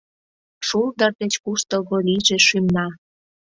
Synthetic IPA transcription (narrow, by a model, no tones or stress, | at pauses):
ʃuld̪ərd̪et͡ɕkuʃt̪əlɣoliʒĕʃymnɑ